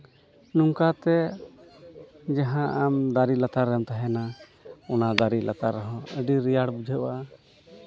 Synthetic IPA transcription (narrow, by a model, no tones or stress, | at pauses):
nuŋkat̪ɛ | d͡ʒaɦãʔamd̪aɾilat̪aɾːɛmt̪aɦɛna | ɔnad̪aɾilʔa̰t̪aɾːɔɦɔ̃əɖiɾijaɽbud͡ʒʱɛʔa